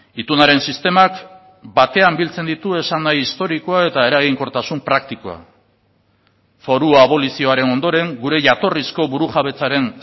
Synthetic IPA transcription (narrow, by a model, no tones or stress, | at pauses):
it̪unaɾe̞nsist̪e̞mak | bat̪e̞ambilt͡se̞nd̪it̪ue̞sanːajist̪o̞ɾikoae̞t̪ae̞ɾaɣ̞iŋko̞ɾt̪asumpɾakt̪ikoa̰ | fo̞ɾuaβo̞lisio̞aɾe̞no̞nd̪o̞ɾe̞ŋɡuɾe̞ʝat̪o̞risko̞βuɾuʝaβe̞t͡saɾe̞n